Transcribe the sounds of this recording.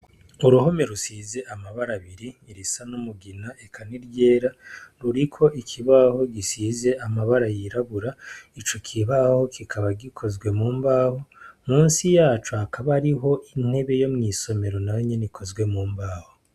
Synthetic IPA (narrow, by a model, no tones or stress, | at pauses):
uɾuɦo̞me̞ɾusize̞ʔamaβaɾaβiɾiːɾisanumuɡinaekʰaniɾje̞ːɾaɾuɾikʰo̞ʔikʰiβaho̞ɡisiːze̞amaβaɾajiɾaβuɾait͡ʃo̞kʰiβaho̞kikʰaβaɡikʰo̞zɡwe̞muːmbaːho̞muːnsijaːt͡ʃuakʰaβaɾiɦo̞ʔin̥he̞βe̞jo̞mŋiːso̞me̞ɾo̞najoɲenikʰo̞zɡwe̞muːmbaːho